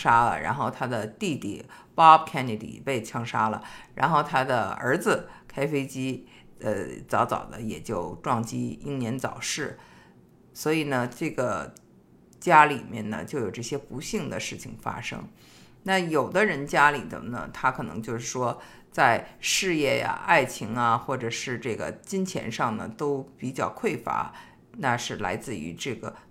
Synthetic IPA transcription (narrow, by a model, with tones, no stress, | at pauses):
ʂa˥lə̰˨ɻa̰˧˥nxo˥˩ʊt̪ʰa˥d̪ə˨t̪i˥˧t̪ḭ˥˩pɑ˥pkʰɛ˥ni˧d̪ḭ˨˩pe˥˩ɪt͡ɕʰjɑ˥ŋʂa˥lə̰˨ɻa̰˧˥nxo˥˩ʊt̪ʰa˥d̪ə̰˨ə̰˞˧˥d͡zɹ̩˧kʰa˥ɪfe˥ɪt͡ɕi˥ | ə˧t͡sɑ˧˥ʊt͡sɑ̰˨˩ʊd̪ə̰˦jɛ̰˨˩t͡ɕjo˥˧ʊʈ͡ʂwɑ˥˩ŋt͡ɕi˥ḭ˥˩ŋnjɛ˧˥nt͡sɑ˨˩ʊʂɻ̩˥˩ | swɔ˧˥i˨˩nə˦ʈ͡ʂɤ˥˩ɡə˩ | t͡ɕja˥li˨˩mjɛ̰˥˩nnə̰˩t͡ɕjo˥˩ʊjo˨˩ʊʈ͡ʂɤ˥˩ɕjɛ˥pu˧˥ɕi˥˩ŋd̪ə̰˩ʂɻ̩˥˩t͡ɕʰḭ˨˩ŋfa̰˥ʂɤ̰˥ŋ | na˥˩jo˨˩ʊd̪ə˦ɻə˧˥nt͡ɕja˥lḭ˨˩d̪ə̰˧˩nə̰˩t̪ʰa˥kʰɤ˨˩nɤ̰˧˥ŋt͡ɕjo˥˧ʊʂɻ̩˥˩ʂwɔ˥ | t͡sa˥˧ɪʂɻ̩˥˧jɛ˥˩ja̰˨˩ʔa˥˩ɪt͡ɕʰi˧˥ŋɐ˧xwɔ˥˩ʈ͡ʂɤ˨˩ʂɻ̩˥˧ʈ͡ʂɤ˥˩ɡə̰˩t͡ɕi˥nt͡ɕʰjɛ̰˧˥nʂɑ˥˩ŋnə̰˩t̪o˥ʊpi˨˩t͡ɕjɑ˥˩ʊkʰwe˥˩ɪfa̰˧˥ | na˥˧ʂɻ̩˥˩la̰˧˥ɪt͡sɹ̩˥˩y̰˧˥ʈ͡ʂɤ˥˩ɡə̰˩